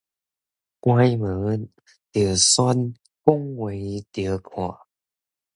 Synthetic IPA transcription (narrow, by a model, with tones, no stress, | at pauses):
kwa˧jmɨ˨˦ | t̪i˨˩ə˦sa˧˥n | kʊ˥ŋwe˨˧˦jt̪i˨ə˦kʰɔ˨˩˨